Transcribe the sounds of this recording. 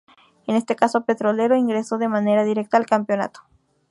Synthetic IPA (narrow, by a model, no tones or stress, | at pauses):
ene̞st̪ekasope̞t̪ɾo̞le̞ɾo̞iŋɡɾeso̞ðe̞mãne̞ɾaðiɾe̞k̚t̪aːlkampjo̞na̰t̪o̥